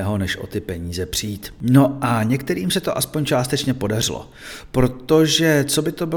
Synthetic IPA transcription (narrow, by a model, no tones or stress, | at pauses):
ɦo̞nɛʃʔo̞̰t̪ɪpɛɲiːzɛpr̝̥ijiːt̪no̞ʔaɲɛkt̪ɛɾiːmsɛt̪oʔaspo̞ɲt͡ʃaːst̪ɛt͡ʃɲɛpo̞dar̝ɪlo̰ | pɾo̞t̪o̞ʒɛt͡so̞bɪt̪o̞bɪ